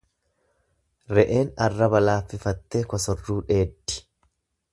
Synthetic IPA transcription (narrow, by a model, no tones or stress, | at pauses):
ɾɛʔe̞ːnɐrːɐbɐlaːfːɪfɐt̪ːeːkɔsɔrːuːᶑe̞ːd̪ːɪ̥